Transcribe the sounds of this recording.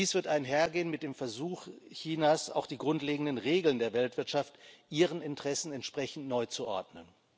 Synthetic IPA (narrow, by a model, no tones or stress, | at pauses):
iːsv̥ɪɐtaɪnɦeːɐɡeːənmɪt̚d̥eːmfɛɐzuːxçiːnaːsa̰ʊxd̥iːɡʁʊntleːɡŋ̩dənʁeːɡl̩ndeːɐvɛltv̥ɪɐtʃaftʔiːʁ̞ənɪntʁ̥ɛsn̩ɛntʃpʁ̥ɛçn̩tnɔʏt͡suʔɔ̰ɐdnən